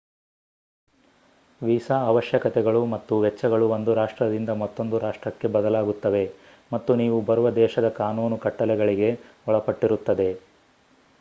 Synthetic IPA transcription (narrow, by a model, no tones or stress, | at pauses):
ʋiːsaːʋɐʃjɐkɐt̪ɛɡɐɭumɐt̪ːuʋɛt͡ʃːɐɡɐɭuond̪uɾaːʂʈɾɐd̪ind̪ɐmɐt̪ːo̞nd̪uɾaːʂʈɾɐkːe̞bɐd̪ɐlaːɡut̪ːɐʋe̞ | mɐt̪ːuniːʋubɐɾuʋɐd̪ɛːʃɐd̪ɐkaːnuːnukɐʈːɐlɛɡɐɭiɡe̞ | ɔɭɐpɐʈːiɾut̪ːɐd̪e̞